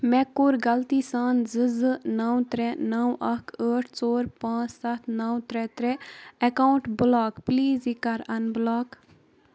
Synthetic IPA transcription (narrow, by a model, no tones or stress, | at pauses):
mɛkːuɾɡɐlt̪iːsaːnzɨzɨnɐwt̪ɾɛnɐwʔɐkəːʈʰt͡soːɾpãːt͡ssɐt̪ʰnɐwt̪ɾɛt̪ɾɛɛkawɳʈblaːkpliːzikɐɾɐnblɔːk